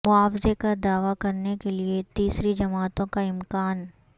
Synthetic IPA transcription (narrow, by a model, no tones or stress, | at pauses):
mʊaːfzekad̪aːʋakɐɾnekeliet̪iːsɾid͡ʒɐmaːt̪õkaɪmkaːn